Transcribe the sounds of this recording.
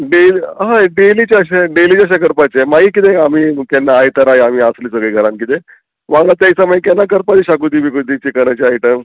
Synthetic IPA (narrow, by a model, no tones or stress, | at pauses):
ɖeliɦãɖelit͡ɕaəɕeɖelit͡ɕaəɕ̬akəɾpat͡ɕemaɦikit̪eamiːkɛnːaːjt̪əɾajam̤iːasliːsəɡɭiɡʱəɾãnkit̪e | ʋãŋɡɭat̪jaisaməikɛnːakəɾpat͡ɕiɕakud̪ibikud̪it͡ɕikəɾət͡ɕiajʈəm